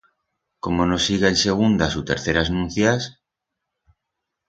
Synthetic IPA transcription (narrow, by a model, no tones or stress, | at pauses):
komonosiɣeenseɣ̞und̪asut̪ḛɾθeɾaznũn̟θjas